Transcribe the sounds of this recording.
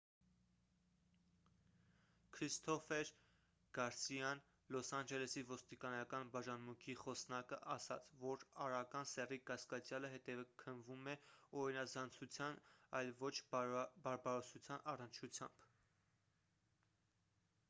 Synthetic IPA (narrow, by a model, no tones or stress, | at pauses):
kʰɾist̪ʰɔfɛɾ | ɡ̥ɑɾsijɑn | lɔsɑnd͡ʒɛlɛsivɔst̪ikɑnɑkɑnbɑʒɑnmuŋkʰiχɔsnɑkəʔɑsɑ̰t͡sʰvɔɾɑɾɑkɑnsɛrikɑskɑt͡sjɑləɦɛt̪ɛvəkʰənvumɛɔɾinɑzɑnt͡sʰut͡sʰjɑnɑjlvɔt͡ʃʰbɑɾbɑɾɔsut͡sʰjɑnɑrənt͡ʃʰut͡sʰjɑ̰mb̥